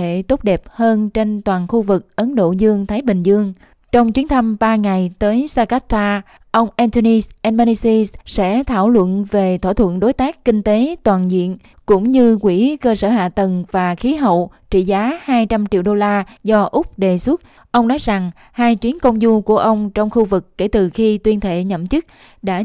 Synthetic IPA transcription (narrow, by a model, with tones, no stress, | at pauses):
ḛ˧˨t̪o˦˥k͡p̚ɗɛ˨˩p̚həː˧nt͡ɕe˧nt̪waː˨˩nxu˧vɨ˨˩k̚ʔə˨˦nɗo̰˧˨zɨ˧əŋt̪ʰaː˨˦jɓï˨˩ŋ̟zɨ˧əŋ | t͡ɕɔ˧wŋ͡mt͡ɕwi˨˦ənt̪ʰa˧mɓaː˧ŋa˨˩jt̪əː˨˦jsaː˧ka˦˥t̪aː˧ | ʔə˧wŋ͡mʔɛ˧nt̪o˧ni˧sʔɛ˧nma˧ni˧si˧ssɛ̰˧˥t̪ʰa̰ː˧˩wlwə̰˧˨nve˨˩t̪ʰo̰˧˩t̪ʰwə̰˧˨nɗo˨˦jt̪aː˦˥k̚kï˧ŋ̟t̪e˨˦t̪waː˨˩nzḭ˧˨ən | kʊ̰˧˥ŋ͡mɲɨ˧kwi˧˩kəː˧səː˧˩ɦa̰ː˧˨t̪ə˨˩ŋvaː˨˩xi˨˦ɦə̰˧˨wt͡ɕḭ˧˨zaː˨˦haː˧jt͡ɕa˧mt͡ɕḭ˧˨əwɗo˧laː˧zɔ˧ʔʊ˦˥k͡p̚ɗe˨˩swu˦˥t̚ | ʔə˧wŋ͡mnɔ˨˦jza˨˩ŋ | haː˧jt͡ɕwi˨˦ənkə˧wŋ͡mzu˧ku˧˩əʔə˧wŋ͡mt͡ɕɔ˧wŋ͡mxu˧vɨ˨˩kːe˧˩t̪ɨ˨˩xi˧t̪wi˧ənt̪ʰḛ˧˨ɲə̰˧˨mt͡ɕɨ˦˥k̚ | ɗa̰ː˧˥